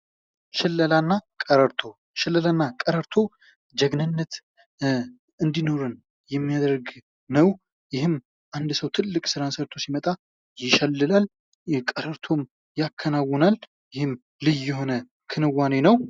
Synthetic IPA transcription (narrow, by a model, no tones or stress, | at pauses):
ʃɪlːəlanːakʼəɾəɾt̪ʰo̞ | ʃɪlːəlanːakʼəɾəɾt̪ʰo̞ | d͡ʒɛɡnɨnːət̪ | ɨnd̪ino̞ɾɨn | jɛmːijad̪ɾɡ | nəw | jɪhɨm | ʔand̪səwt̪ʰɨlːɨkʼsɨɾasəɾt̪ʰo̞simət̪ʼa | jɪʃɛlːɨlal | kʼəɾəɾt̪ʰo̞m | jakʰːənawːɔnal | jɪhɨm | lɨjːɛɦo̞nə | kʰɨnɨwːanenəw